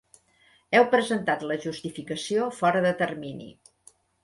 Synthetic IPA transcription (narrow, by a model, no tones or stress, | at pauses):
ɛwpɾəzənt̪at̪ləʒust̪ifikəsiofɔɾəðət̪ərminḭ